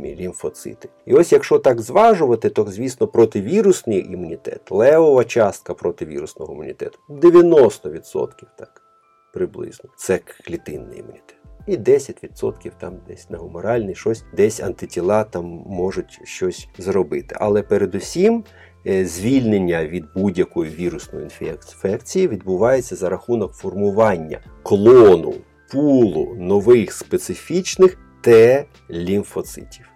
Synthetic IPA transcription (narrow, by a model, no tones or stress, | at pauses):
ilʲinfɔt̪sɪ̰t̪ɪ̥iɔsʲjɐkʃɔt̪ɑɡzʋɑʒʊʋɐt̪ɪt̪ɔzʲʋʲisnɔpɾɔt̪ɪʋʲiɾʊsnɪjʔimʊnʲit̪ɛ̰t̪lˠɛʋɔʋɐt͡ʃɑst̪̚kɐpɾɔt̪ɪʋʲḭɾʊsnɔɦɔimʊnʲḭt̪ɛ̰t̪ʊ̥d̪eʋʲjɐnɔst̪ɔʋʲid̪sɔ̰t̪kʲiwt̪ɑk | pɾɪblˠɪ̰znɔt̪sɛklʲit̪ɪnːɪ̰jḭmʊnʲit̪ɛ̥t̪id̪ɛsʲɐtʲʋʲid̪sɔ̰t̪kʲiwt̪ɑmd̪ɛsʲnɐɦʊmɔɾɑlʲnɪʃɔsʲd̪ɛsʲɐ̰nt̪ɪtʲilˠɑt̪ɑmːɔʒʊtʲʃt͡ʃɔsʲzrɔbɪt̪ɪ̥̰ʔɐ̰lˠɛpeɾed̪ʊsʲim | zʲʋʲilʲnenʲːɐʋʲid̪̚budʲjɐkɔjʊʋʲiɾʊsnɔ̰jʊ̰inffɛkt͡sʲijiʋʲid̪̚bʊʋɑjet͡sʲːɐzɐɾɐxunɔkfɔrmʊʋɑnʲːɐ̰ | klˠɔnʊ̰ | pulˠʊ̰nɔʋɪxspet̪sɪfʲit͡ʃnɪx | t̪ɛ | lʲinfɔt̪sɪ̰tʲiw